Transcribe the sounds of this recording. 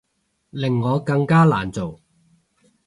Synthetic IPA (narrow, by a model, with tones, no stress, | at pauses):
lɪ˨˩ŋːɔː˨˧˥kɐ˧ŋkaː˥la̰ː˨˩nt͡so˨w